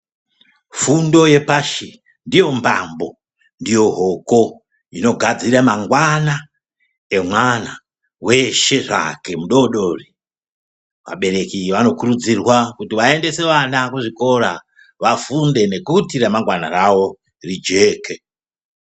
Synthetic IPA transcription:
fundo̞je̞paʃi | ndijo̞mbambo̞ | ndijo̞ɦo̞ko̞ | ino̞ɡʱad͡ziɾamaŋɡwana | e̞mwana | we̞ʃe̞ʐa̰ke̞muɗo̞ɗo̞ri | ʋa̰ɓe̞ɾe̞kiʋano̞kuɾud͡zirwakutiʋae̞nde̞se̞ʋanakuʐiko̞ɾa̰ | ʋafunde̞ne̞kutiɾamaŋɡwana̰rawo̞ | rid͡ʒe̞ːke̞

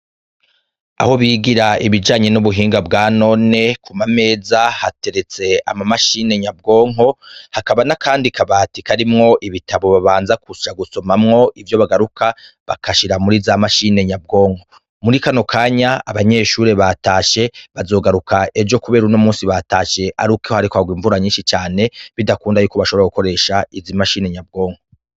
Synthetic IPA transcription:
a̰ho̞βiːɡiɾaiβid͡ʒaːɲe̞nuβuɦiːŋɡabɡaːno̞ne̞kumame̞ːzahate̞ɾe̞t͡se̞a̰mamaʃiːne̞ɲab̚ɡo̞ːŋɦo̞hakaβanakʰaːndikʰaβatikaɾimŋo̞ʔiβitaβo̞βaβaːnzakʰuʃaɡuso̞mamŋo̞ʔivjo̞βaɡaɾukʰa | βa̰kʰaʃiɾamuɾizamaʃine̞ɲab̚ɡo̞ːŋho̞ | muɾikano̞kʰaːɲaa̰βaɲe̞ːʃuːɾe̞βataːʃe̞βazo̞ɡaɾukʰaʔe̞d͡ʒo̞kuβe̞ːɾuno̞muːsiβataːʃe̞ʔaɾukehohaɾikoaɡwiːɱvuɾaɲiːnʃit͡ʃaːne̞βidakuːndajuːkoβaʃoβeɾaɡuko̞ɾe̞ːʃaizimaʃiːne̞ɲab̚ɡo̞ːŋ̥ho

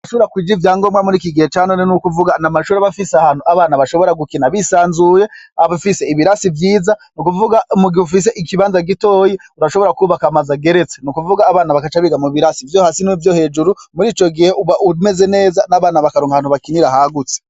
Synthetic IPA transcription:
aʃoβɾakwiːd͡ʒivjaːŋɡo̞mŋamuɾikiɡihet͡ʃaːnonenukuvuɡanamaʃuːɾeβafisahaːn̥uaβaːnaβaʃo̞βo̞ɾaɡukinaβisaːnzuje̞aβufise̞iβiɾasivjiːzanukuvuɡaumuɡihufis̬e̞ʔikiβaːnzaɡitoːjiuɾaʃo̞βo̞ɾakuːβakamazaɡe̞ɾe̞t͡senukuvuɡaːβaːnaβakat͡ʃaβiɡamuβiɾasivjoːhaːsinivjo̞he̞ːd͡ʒuɾumuɾiːt͡ʃo̞ɡihe̞ʔuβaʔume̞ze̞ne̞ːzanaβaːnaβakaɾoːŋɡaaːnuβakiniɾahaɡut͡se̥

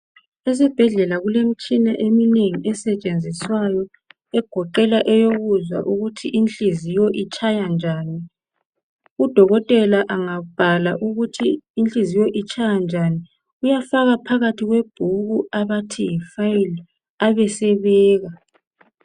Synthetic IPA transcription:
ɛsɛb̥ʱɛɮɛlaɣulem̩t͡ʃʼinaʔemineŋiʔɛsɛt͡ʃʼend͡zʱiswajɔ | ɛɡ̥ʱɔǃɛlaʔɛjoɣuzwa̰ʔuɣutʰiʔint͡ɬʼizijɔʔit͡ʃʼʰajand͡ʒʱaːni | ud̥ʱɔɣɔtʼɛlaʔaŋaub̥ʱalaʔuɣutʰiːnt͡ɬʼizijɔʔit͡ʃʰʼajand͡ʒʱani | ujafaɣapʰaɣatʰiɣweb̥ʱuɣuaβatʰijifajil | aβɛsɛβɛːɣa

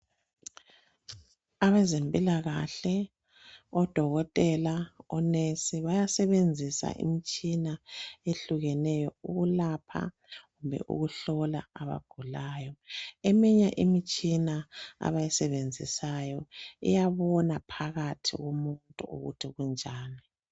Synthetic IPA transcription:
aβɛzempʼilaɣaɬɛ | ɔd̥ʱɔɣɔtʼɛlaɔnesiβajasɛβend͡zʱisa̰ʔḭmit͡ʃʼinaeɬuɣɛnɛjɔuɣulapʰa̰ | ɣumbʱɛ̰ʔṵɣuɬɔlaaβa̰ɡ̥ʱulaːjɔɛmiɲaʔimit͡ʃʼinaa̰βajɛsɛβend͡zʱisajɔḭjaβɔnapʰaɣatʰḭɣomuntʼṵṵɣṵtʰiɣund͡ʒʱaːni

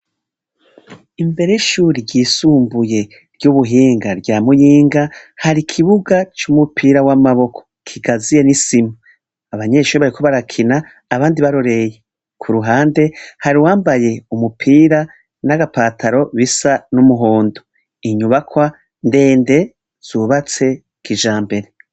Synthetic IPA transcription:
imbe̞ɾeʃuːɾiɟiːsuːmbuje̞ | ɾɟuβuɦiːŋɡaɾɟaːmujiːŋɡahaɾikʰiβuɡat͡ʃumupʰiːɾawamaβo̞kʰo̥kʰiɡazije̞nisimu | aβaɲe̞ːʃuːɾiβaɾikʰoβaɾakʰinaː | βaːndiβaɾoɾe̞je | kʰuɾuɦaːnde̞haɾiwaːmbaje̞umupʰiːɾa | naɡapaːtʰaɾo̞βisanumuɦoːndo | iɲuβakwa | nde̞ːnde̞ | z̥uβat͡se̞ | kʰiʒaːmbe̞ɾe̞

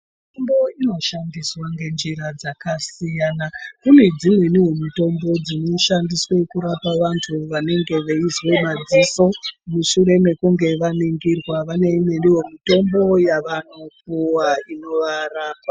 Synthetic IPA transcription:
mitombo̞ino̞ʃandiswaŋɡe̞nd͡ʒiɾad͡zakasijanakune̞d͡zimwe̞niɦo̞mito̞mbo̞d͡zino̞ʃandiswe̞kuɾapaʋantʰuʋane̞ŋɡe̞ʋe̞izwemad͡ziso̞muʃuɾe̞me̞kuŋɡe̞ʋaniŋɡirwaʋane̞imeniɦo̞mito̞mbo̞jaʋano̞puwaino̞ʋaɾaːpwa

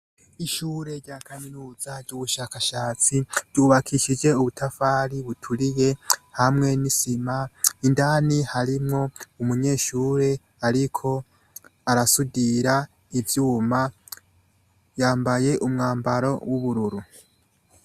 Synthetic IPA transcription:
iʃuːɾe̞ɾɟaːkʰaminuːzaɾɟuːβuʃaːkaʃaːt͡siɾɟuːβakʰiʃid͡ʒe̞uβutʰafaːɾiβutʰuɾije̞hamŋe̞nisimaindaːnihaɾimŋo̞umuɲe̞ːʃuːɾe̞ | aɾikʰo̞ | aɾasudiɾa | ivjuːma | jaːmbaje̞ʔumŋaːmbaɾo̞̰wuβuɾuɾu

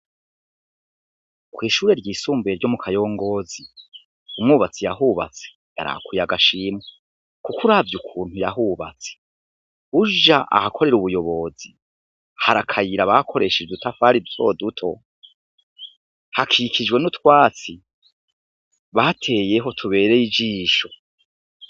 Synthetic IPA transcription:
kwiːʃuːɾe̞ɾɟiːsuːmbueɾɟo̞mukʰajo̞ːŋɡo̞zi | umŋuːβat͡sijaɦuβa̰t͡se̥ | ja̰ɾa̰kujaɡaʃiːmwe | kukuɾavjukʰuːn̥hujaɦuβa̰t͡se̥ | huʒaʔa̰hakʰo̞ɾe̞ɾuβujo̞βo̞zi | haɾakʰajiɾaβakʰo̞ɾe̞ʃed͡ʒedutafaɾito̞̰ːdutʰo̞ | hakʰikid͡ʒɡwe̞nutwaːt͡si | βatʰe̞je̞ɦo̞tʰuβe̞ːɾejid͡ʒiːʃo̞

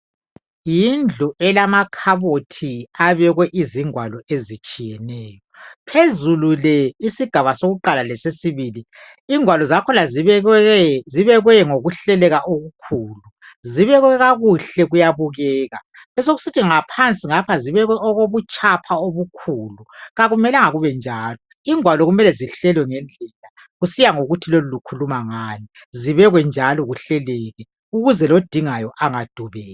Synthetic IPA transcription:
jind͡ɮʱuɛlamakʰaβotʰiaβɛɣwɛʔiziŋwalɔezit͡ʃʼijɛnɛːjɔpʰezululɛisiɡ̥ʱaβasoɣuǃalalɛsesiβili | iŋwalɔzakʰɔlazɛziβɛɣwɛŋoɣuɬɛlɛɣaʔoɣukʰuːlu | ziβɛɣwɛɣaɣuɬɛɣujaβuɣɛːɣa̰ | βɛs̬oɣusitʰiŋapʰant͡sʼiŋapʰaziβɛɣwɛʔɔɣoβut͡ʃʼapʰaoβukʰuːluɣaɣumɛlaŋaɣuβɛnd͡ʒʱaːlɔ | iŋʱwalɔɣumɛlɛziɬɛlwɛŋɛnd͡ɮʱɛla | ɣusijaŋoɣutʰilolulukʰulumaŋaːni | ziβɛɣwɛnd͡ʒʱalɔɣuɬɛlɛɣɛ | uɣuzɛlod̥ʱiŋajɔʔaŋad̥ʱuβɛːɣa

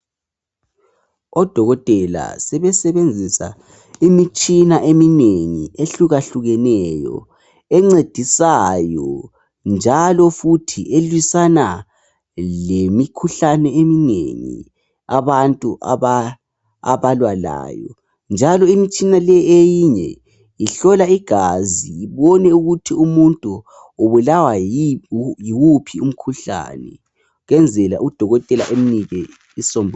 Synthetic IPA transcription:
ɔd̥ʱɔɣɔtʼɛla̰sɛβɛsɛβend͡zʱisa̰ | imit͡ʃʼinaʔemineŋḭeɬuɣaɬuɣɛnɛjɔ̰ | ɛŋ͡ǀed̥ʱisajɔ | nd͡ʒʱalɔfutʰiʔelwisana | lemikʰuɬanɛeminḛŋḭ | aβantʼuʔaβa | a̰βalwala̰ːjɔ̰ | nd͡ʒʱalɔimit͡ʃʼinalɛejiɲɛ̰ | iɬɔlaiɡ̥ʱaziiβɔnɛuɣutʰiumuntʼu | oβulawaijiwupʰium̩kʰuɬa̰nɛ | ɣɛnd͡zʱɛla̰ʔud̥ʱɔɣɔtʼɛla̰ʔeminiɣɛ | isɔmbʱɔ

